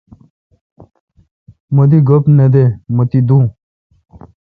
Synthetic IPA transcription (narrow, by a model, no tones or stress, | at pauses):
mod̪iɡopned̪emət̪id̪ũ